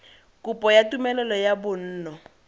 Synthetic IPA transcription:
kupɔjatumɛlɛlɔjabʊn̩ːnɔ

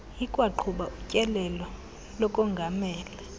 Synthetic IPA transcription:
jikʼwaǃʰuɓaʔucʼɛlɛlɔ | lɔkʼɔŋɡʱamɛːlɛ

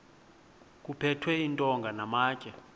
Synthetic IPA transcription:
k̬ʼupʰɛtʰwɛintʼɔŋɡʱanamaːcʼɛ

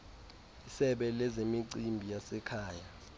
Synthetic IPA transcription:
isɛɓɛlɛzemiǀimbʱijasɛkʰaːja

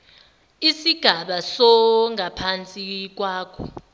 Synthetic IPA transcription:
isiɡ̥ʱaɓasɔŋʱapʰant͡sʼik̬waːkʰɔ̰

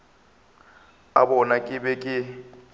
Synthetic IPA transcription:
a̰bɔnakʼɪbɛkʼɪ

